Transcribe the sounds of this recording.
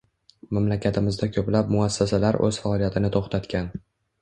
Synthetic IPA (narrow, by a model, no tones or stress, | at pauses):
mamlakʲʰat̪ʰɪmɪzd̪akʲʰɵplap̚mʊasːasalaɾʔɵ̰z̥faɒlˠijat̪ʰɪnɪt̪ʰoχt̪ʰat̪kʲʰan